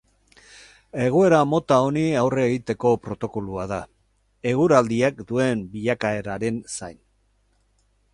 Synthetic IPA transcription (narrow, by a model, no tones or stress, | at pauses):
e̞ɣ̞oe̞ɾamo̞t̪ao̞niawre̞ːɣit̪e̞ko̞pɾo̞t̪o̞ko̞luaða | e̞ɣuɾald̪iakd̪ue̞mbiʎakae̞ɾaɾe̞nsajn